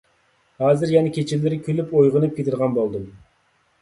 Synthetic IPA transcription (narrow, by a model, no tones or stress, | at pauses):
hɑːzɨɾjɛnɛkʲʰet͡ʃʰilːɪɾɪkʲʰølypojʁənɨp̚kʲet̪ʰɪɾʁɑnbolˠd̪ɨm